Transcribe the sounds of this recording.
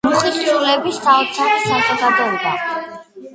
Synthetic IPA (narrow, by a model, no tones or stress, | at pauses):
muχissʼulɛbisaɔt̪sʰaχisazɔɡad̪ɔiba